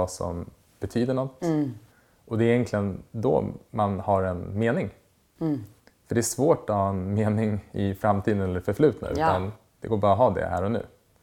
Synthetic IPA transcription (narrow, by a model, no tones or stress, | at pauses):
asɔ̰m | b̥ɛt̪ʰyːd̪əɳɔt̪ː | ʔɔd̪ɛːɾjɛŋkʰlɪənd̪ɔ̰manhaɾɛnmeːnɪŋ | fœɖɛæʂvoːʈɔhɑːɛnmeːnɪŋɪfɾamt̪ʰiːd̪ənɛlːəɾfœɾflʉ̟ːt̪na̰ʉ̟ːt̪an | d̪̥ɛ̰ɡoːɾbɑːɾɔɦɑːd̪ɛ̰hæ̰ːɾɔnʉ̟̰ː